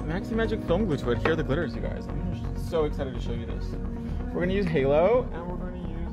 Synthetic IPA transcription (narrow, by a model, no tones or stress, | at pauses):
mæksimæd͡ʒɨkfɪlˠmɡlʉtwɪd̚hiɹðɨɡlɪɾə˞zjɨɡa̰ɪzã̰ɪ̃mə | soʊɨksaɪɾɨd̚tʰɨʃoʊjɨðɪ̰s | wɪəɹɡʌnɨjʉzɦeɪlˠoʊɨ̃nwɪɹɡʌnɨjʉz